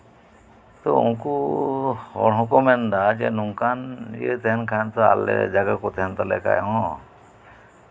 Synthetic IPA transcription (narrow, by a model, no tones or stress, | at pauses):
t̪ɔṵnku | hɔɽɦɔ̃kɔmɛnd̪ad͡ʒɛnuŋkanjət̪ɛɦɛnkʰant̪aa̰lɛ̰d͡ʒaɡakɔt̪ɛɦɛnt̪alɛ̰ka̰jɔ